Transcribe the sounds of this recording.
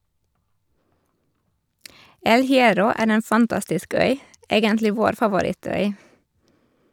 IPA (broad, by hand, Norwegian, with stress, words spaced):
ˈɛl hɪˈɛɾɔ ˈæːɾ m ˈeːn fɑnˈtɑstɪsk ˈœʏ ˈeːɡəntlɪ ˈʋoːɾ fɑʋʊˈɾɪˌtœʏ